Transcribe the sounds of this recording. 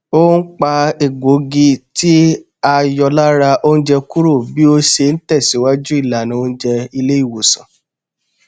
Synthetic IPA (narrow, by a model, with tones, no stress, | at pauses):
o˦n̩˦k͡pa˧e˨ɡo˨˦ɡi˧ti˦ | a˧jɔ˧la˦ɾa˧ʔo˦n̩˦d͡ʒɛ˧ku˦ɾo˦˨bi˦o˧ʃe˧n̩˦tɛ˦˨si˨˦wa˦d͡ʒu˦i˦˨la˨nĩ˨˦o˦˧ñ̩˦d͡ʒɛ˧i˧le˦i˦˨wo˨sɔ̃˨